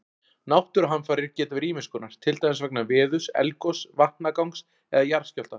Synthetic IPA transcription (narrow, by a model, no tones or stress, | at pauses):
nawht̪ʏɾɦanːfaːɾɪɾcɛːt̪avɪɾiːmɪskʏnaɾ̥t̪ʰɪlt̪ajɪnsvɛk̚navɪːðʏsɛ̰lkɔsvaht̪nakawŋks | ɛðajaɾscɔl̥t̪a